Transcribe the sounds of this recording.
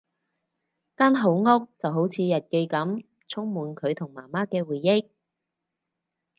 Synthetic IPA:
kaː˥nɦo˨˥wŋɔ˥k̚t͡sɐ˨wɦo˨˥wt͡sʰiː˨˧jɐ˨t̚ke˧jkɐ˨˥m | t͡sʰʊ˥ŋmuː˨nkʰɵ˨˧ɥt̪ʰʊ˨˩ŋmaː˨˩maː˥kɛː˧wuː˨˩jːɪ˥k̚

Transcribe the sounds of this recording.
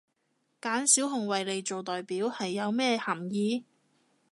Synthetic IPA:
kaː˨˥nsiː˨˥wɦʊ˨˩ŋwɐ˨jle˨jt͡ʃo˨wt̪ɔː˨jpiː˨˥whɐ˨jːɐ˨˧wmɛː˥hɐ˨˩mjiː˨˧

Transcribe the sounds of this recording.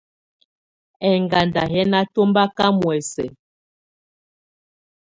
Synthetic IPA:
ɛ˨ŋɡa˨nda˨ɦɛ˦na˦to˦mba˦ka˦mwɛ˨sɛ̰˨

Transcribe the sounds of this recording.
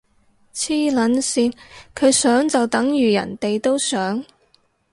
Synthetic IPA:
t͡sʰiː˥lɐ˨˥nsiː˧nkʰɵ˨˧ɥsœː˨˥ŋt͡sɐ˨wt̪ɐ˨˥ŋjyː˨˩jɐ̰˨˩nt̪e˨jt̪o˥wsœː˨˥ŋ

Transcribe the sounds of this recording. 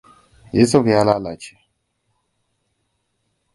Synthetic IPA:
je˦so˦ki˨ja˦la˦la̰˨t͡ʃa˨

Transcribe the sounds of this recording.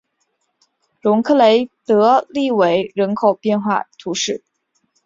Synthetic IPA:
ɻʊ˧˥ŋkʰɤ˥˩le˧˥ɪt̪ɤ˧˥li˥˩we˧˥˩ɪɻə˧˥nkʰo˨˩ʊpjɛ˥˧nxwa̰˥˩t̪ʰu˧˥ʂɻ̩˥˩

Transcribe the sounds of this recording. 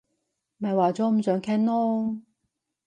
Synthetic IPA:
mɐ˨jwaː˨t͡sɔː˨˥m̩˨˩sœː˨˥ŋkʰɛ˥nnɔː˥

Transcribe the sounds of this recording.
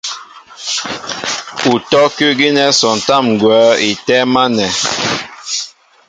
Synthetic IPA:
u˨tɔ˦kʉ˦ɡi˦nɛ˦sɔ˨n˨ta˦˨m˨ɡwɛː˨˦i˨tɛ˦ma˦nɛ˨

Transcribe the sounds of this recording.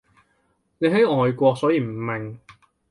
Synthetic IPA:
ne˨˧ɦɐ˨˥jʔɔː˨˧jkʷɔː˧k̚sɔː˨˥jiː˧m̩˨˩mɛ˨ŋ

